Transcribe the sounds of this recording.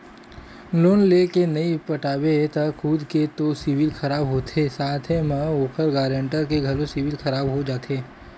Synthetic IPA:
loːnlekenɐipɐʈaːbet̪ɐkʰuːd̪ket̪oːsiʋɪlxʰɐɾaːbɦot̪ʰesaːt̪ʰemə̃oːkʰəɾɡaːɾə̃ɳʈəɾkeɡʱɐlosiʋɪlxɐɾaːbɦod͡ʒaːt̪ʰeː

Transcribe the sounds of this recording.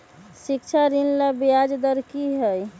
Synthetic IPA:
sik̚t͡ʃʰaɾinlabijad͡ʒd̪əɾkiɦəj

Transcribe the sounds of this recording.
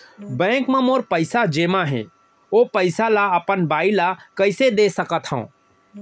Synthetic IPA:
bɛ̃ːkmemoːɾpəɪsad͡ʒeːmaɦɛ̰̃ | opəɪsalaəpənbailakəɪsed̪esəkət̪ɦə̰̃

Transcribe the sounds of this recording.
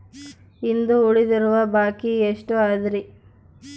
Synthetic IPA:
ind̪uuɭid̪iɾuʋɐbaːkieʂʈuaːd̪ɾi

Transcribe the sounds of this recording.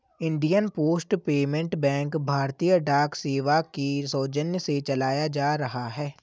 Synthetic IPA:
ɪ̃ɳɖijənpoːsʈpeːmẽɳʈbɛ̃ːŋkbʱaːɾt̪ijəɖaːkseːʋakisɔːd͡ʒənjəset͡ʃɐlaːjad͡ʒaːɾɐɦaɦɛː

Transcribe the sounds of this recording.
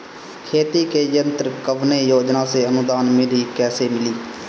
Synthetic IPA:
kʰeːt̪iːkeːjənt̪ɾəkəʋneːjoːd͡ʒnãːseːənʊd̪aːnmeːɾiːkɛːseːmɪliː

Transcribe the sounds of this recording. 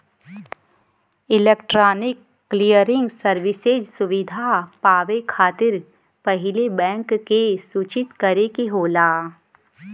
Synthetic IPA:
ɪlekʈɾaːnɪkːlijəɾɪ̃ŋɡsəɾʋɪsed͡ʒsʊʋɪd̪ʱapaːʋekʰaːt̪ɪɾ | pɐɦɪlebɛ̃ːŋkːesuːt͡ʃɪt̪kɐɾekeɦoːlaː

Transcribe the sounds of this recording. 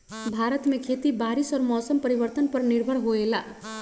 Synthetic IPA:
bʱaɾət̪mekʰet̪ibaɾisɔɾmɔsəmpəɾiβəɾt̪ənpʌrniɾbʱʌɽɦoela

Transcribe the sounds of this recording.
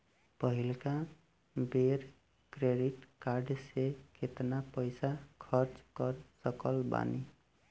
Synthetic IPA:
pʌɦilkã | beɾ | kɾeɖiʈkaɾɖsekʰet̪napʌjsakʰʌɾt͡skʌrsʌkʌlba̰ni

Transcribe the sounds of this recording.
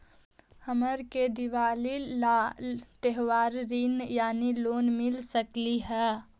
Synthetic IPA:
həməɾked̪iʋaːlil | t̪eɦʋaːɾɾinjaːniloːnmɪlsəkliɦɛː

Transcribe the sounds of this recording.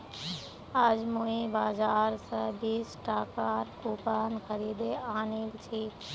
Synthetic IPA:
əd͡ʒmũĩbaːzaːɾsãbiːsʈaːkaːɾkuːpaːnxəɾiːd̪eaːniːlt͡ʃʰiː

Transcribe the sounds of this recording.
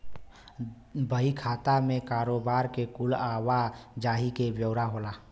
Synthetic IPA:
bʱəikʰat̪amekaːɾobaːɾkekulawad͡ʒaːɦikebjəʊɾaɦola

